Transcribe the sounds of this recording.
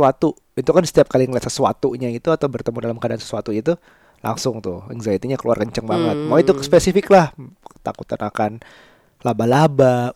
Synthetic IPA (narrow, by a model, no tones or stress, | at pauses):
uat̪u | it̪ukansə̥t̪iap̚kaliŋlasəsuat̪uɲaɡit̪uat̪awbərt̪əmudalamkadaʔansə̥suat̪uit̪u | lʔa̰ŋsʊŋt̪ʊhɛ̰ŋzait̪iɲakəluarkəɲt͡ʃəŋbaŋət̪̚maait̪ukspesifɪklaht̪a̰kut̪anakan | labalaba